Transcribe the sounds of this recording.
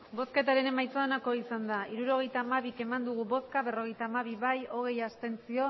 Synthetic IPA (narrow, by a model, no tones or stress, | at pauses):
bo̞ske̞t̪aɾe̞ne̞majt͡soonako̞isand̪aiɾuɾo̞ɣ̞e̞jt̪aːmaβ̞ike̞mand̪uɣ̞uβo̞skaβe̞ro̞ɣejt̪aːmaβ̞iβajo̞ɣ̞e̞jast̪e̞nt͡sio̞